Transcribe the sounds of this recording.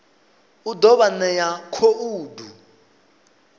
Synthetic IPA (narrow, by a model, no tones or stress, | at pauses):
udɔβanɛjakʰoʔuːdʱu